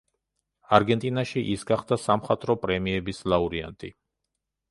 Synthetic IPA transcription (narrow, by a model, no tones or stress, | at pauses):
aɾɡɛnt̪ʼinaʃiʔisɡaχd̪asamχat̪ʼɾɔpʼɾɛmiɛbislˠauɾia̰nt̪ʼḭ